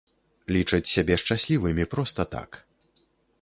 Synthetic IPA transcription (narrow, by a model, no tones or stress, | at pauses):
lʲit͡ʂɐt͡sʲsʲabʲɛʂt͡ʂasʲlʲivɨmʲipɾɔst̪ɐt̪a̰k